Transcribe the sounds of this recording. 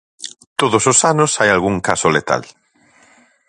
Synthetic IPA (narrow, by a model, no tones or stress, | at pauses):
t̪oðososanʊsajalɣuŋkasolet̪a̰l